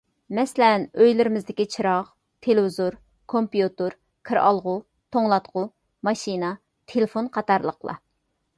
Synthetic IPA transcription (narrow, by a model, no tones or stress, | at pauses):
mɛsɪlɛnøjlɪɾɪmɪzd̪ɪkʲit͡ʃʰiɾɑʁ | t̪ʰelɪvɪzoɾ | kʰompijut̪ɨɾ | kʰɨɾʔɑ̰lˠʁʊ | t̪ʰoŋlˠɑt̪qʰʊ | mɑʃinɑ | t̪ʰelɪfonqʰɑt̪ɑɾlˠə̰qlˠɑ̰